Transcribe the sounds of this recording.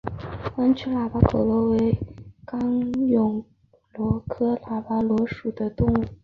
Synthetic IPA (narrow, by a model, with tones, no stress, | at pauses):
a˥nt͡ɕʰy˥la˨˩pa˥kʰɤ˨˩ʊlwɔ˧˥we˧˥ɪkɑ˥ŋjʊ˨˩ŋ | lwɔ˧˥kʰɤ˥la˨˩pa˥lwɔ˧˥ʂu˨˩d̪ə˦t̪ʊ˥˧ŋu˥˩